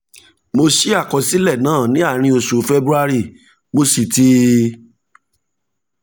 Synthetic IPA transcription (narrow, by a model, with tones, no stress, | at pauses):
mo˧ʃi˦a˦˨kɔ˧si˦lɛ˦˨nãː˦˨nĩ˨˦a˦˨ɾ̃ĩ˧o˧su˨˦fe˦bɾu˦a˧ɾi˦˨ | mo˧si˨ti˦